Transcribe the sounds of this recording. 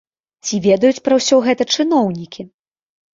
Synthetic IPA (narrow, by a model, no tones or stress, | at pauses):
t͡sʲivʲɛd̪ɐjut͡sʲpɾɐwsʲɔɣɛt̪ɐt͡ʂɨn̪ɔwnʲikʲi